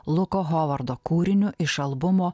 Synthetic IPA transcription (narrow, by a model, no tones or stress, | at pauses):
lˠʊkoːɣɔʋɐɾd̪oːkuːɾʲɪnʲʊʔɪʃɐlˠbʊmoː